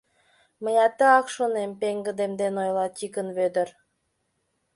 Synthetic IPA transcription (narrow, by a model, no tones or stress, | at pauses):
məjɑt̪ə̆ɑkʃonempeŋɡə̆d̪emd̪enojlˠɑt̪ʲikənβød̪ə̆r